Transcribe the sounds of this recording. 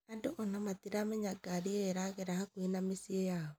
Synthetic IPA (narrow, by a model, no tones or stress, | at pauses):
andoʔonamatiɾameɲaɡaɾieɾaɣeɾahakwenamesiejaɔ